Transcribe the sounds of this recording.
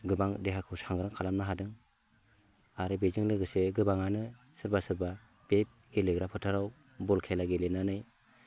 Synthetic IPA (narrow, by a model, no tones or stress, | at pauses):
ɡɯbaŋdeɦakʰɯwsaŋɡɯɾɯŋkʰalamnaɦadɯŋ | aɾɯbezɯŋlɯɡɯseɡɯbaŋanɯ | sɯɾbasɯɾba | b̥ep̚ɡ̥eleɡɾapʰɯtʰaɾaw | bɔlkʰelaɡelenanɯj